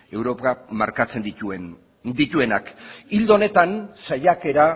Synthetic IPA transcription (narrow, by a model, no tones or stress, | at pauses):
e̞wɾo̞pamaɾkat͡se̞nd̪iuen | d̪it̪ue̞nakild̪one̞t̪ansajake̞ɾa